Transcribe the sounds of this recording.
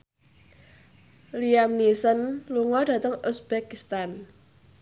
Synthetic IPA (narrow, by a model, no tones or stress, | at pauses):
liamnisənluŋɔd̥ä̤t̪əŋusb̥ɛkist̪an